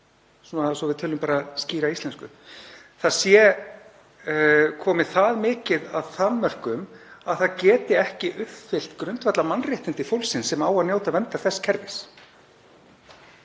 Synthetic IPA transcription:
sunasɔvɪðt̪ʰœːlʏmpaːɾasciːɾaist̪ɛnskʏ | θaðsjɛ | kʰɔːmɪθaðmɪːcɪðaðθanmœr̥kʏmaðθaðcɛːt̪ɪɛhcɪʔʏhfɪl̥t̪kɾʏnt̪vat̪lamanrjɪht̪ɪnt̪ɪfowlsːɪnsɛmaːwaðnjoːwt̪avɛnt̪aθɛsːcʰɛɾvɪs

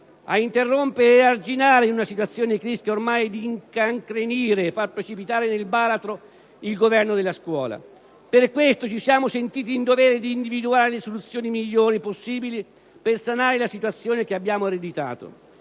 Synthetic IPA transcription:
a̰int̪erːompeɾeːard͡ʒinaːɾeinunasit̪wat̪sːjoːnekɾiskeormajd̪iŋkaŋkɾeniːɾeːfːarpɾet͡ʃipit̪aːɾenelbaːɾat̪ɾo | ilɡovɛrnod̪elːaskwɔ̰ːla̰ | perkwest̪ot͡ʃisjaːmosent̪iːt̪iːnd̪ovɛːɾed̪iːnd̪ivid̪uaːɾelesolut̪sːjoːnimiʎːoːɾiposːiːbili | persanaːɾelasit̪wat̪sːjoːnekeabːjaːmoaɾed̪it̪a̰ːt̪o̰

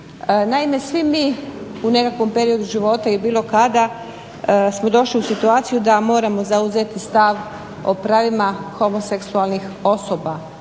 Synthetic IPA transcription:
ənaime̞sʋimiune̞kakʋo̞mpe̞ɾio̞d̪uʒiʋo̞ːt̪ailbiːlo̞kad̪a | smo̞d̪o̞ʃliusit̪uaːt̪sijud̪amo̞ːɾamo̞zauze̞t̪ist̪aʋ | o̞̰pɾaːʋimaxo̞mo̞seksualnixo̞so̞ːba

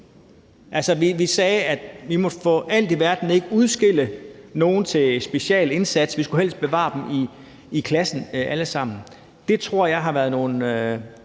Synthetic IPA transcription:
ʔælsəʋiʋisɛːæd̥ʋimɒ̽fɔ̰̽ʔæl̰d̥eʋæɐd̥n̩e̝ɡ̥əuðˠsɡ̥e̝l̰əno̝ːn̩t͡sʰe̝lsb̥e̝ɕɛ̰ːle̝nsæd̥sʋisɡ̥uhel̰sd̥̚b̥e̝ʋɑ̰̈ːd̥emiː | kʰlæsn̩ʔæləsɑ̈m̰n̩ | d̥e̝t͡sʰʁo̝ɐ̰jɑ̈ɪɦɑ̈ʋæɐðˠno̝ːn̩

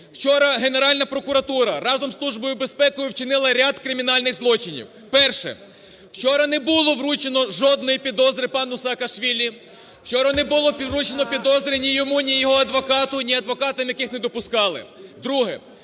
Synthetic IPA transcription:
w̥t͡ʃɔɾɐɦe̞neɾɑlʲnɐpɾɔkʊɾɐt̪uɾɐɾɑzɔmslˠuʒbɔjʊbe̞spɛkɔjʊwt͡ʃɪnɪlˠɐɾʲad̪kɾɪmʲin̪ɑlʲnɪɣzlˠɔt͡ʃɪnʲḭw | pɛrʃɛ̰ | wt͡ʃɔɾɐnɛbʊlˠɔʋrut͡ʃenɔʒɔd̪̚nɔjipʲid̪ɔzɾʲɪpɑnʊsɐːkɐʃʋʲilʲi | w̥t͡ʃɔɾɐnɛbʊlˠɔpʲiʋrut͡ʃenɔpʲid̪ɔzɾʲinʲijɔmunʲijɔɦɔɐd̪ʋɔkɑt̪ʊnʲiɐd̪ʋɔkɑt̪ɐmjɐkɪxnɛd̪ɔpʊskɑlˠɪ̰d̪ɾuɦɛ

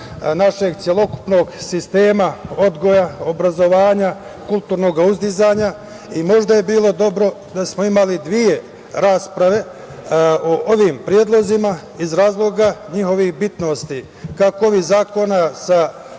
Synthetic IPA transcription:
naʃe̞ɡt̪sʲje̞lˠo̞ku̥pno̞ːɡsist̪e̞ːmao̞d̪ɡo̞jao̞bɾazo̞ʋaːɲa | kulˠt̪uːɾno̞ɡauzd̪izaːɲa | imo̞ʒd̪aje̞biːlˠo̞d̪o̞bɾo̞d̪asmo̞imalid̪ʋije̞ | ɾaːspɾaʋe̞ | oʔo̞ʋiːmpɾjeːd̪lˠo̞zima | izɾaːzlˠo̞ɡaɲixo̞ʋixbit̪no̞st̪i | kakooʋizaːko̞nasa

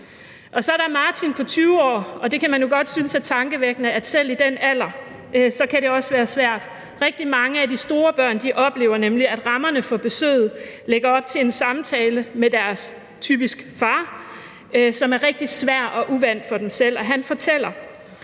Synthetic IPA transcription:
ʔɒ̽sɒ̽æɾɑmɑ̈ːt͡sʰinpʰɒ̽t͡sʰyːʊɒ̰ːɒ̽d̥e̝kʰæmænjo̝ɡ̥ɒ̽d̥synəsæt͡sʰɑ̈ŋɡ̥əʋeɡ̥nəæd̥sel̰id̥enæl̰ɐ | ʔsɒ̽kʰæɾe̝ɒ̽sʋæːɐsʋæɐ̰d̥ | ʁeɡ̥̚d̥imɑ̈ŋəæd̥isd̥o̝ːɐb̥ɶɐ̰nd̥iʔɒ̽b̥le̝ːʊ̰ɐnemliæd̥ʁɑ̈mɐnəfɒ̽b̥e̝sø̰ːð̩ˠleɡ̥ɐɒ̽b̥̚t͡sʰe̝e̝nsɑ̈mt͡sʰɛːləmed̥æɐs | t͡sʰy̰ːb̥isɡ̥fɑ̈ː | sɒ̽mæɐʁeɡ̥̚d̥i̥sʋæɐ̰ɒʔuʋæn̰d̥fɒ̽d̥emsel̰ɒ̽ɦænfɒ̽t͡sʰel̰ɐ

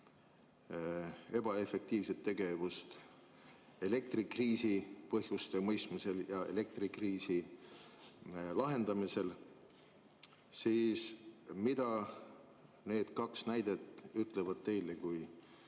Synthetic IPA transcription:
e̞b̥ɑe̞fe̞k̚t̪iːvse̞t̪ːe̞ɡ̥e̞vust̪ | e̞le̞k̚t̪rikriːsipɤɦjust̪emɤjst̪mise̞ljɑe̞̰le̞k̚t̪rikriːsi | lɑɦe̞nd̪̥ɑmise̞l | siːsmid̪̥ɑ | ne̞ːd̪̥kɑksnæjd̪̥e̞t̪ˑyt̪ˑlevɑd̪̥̚t̪e̞jlekuj

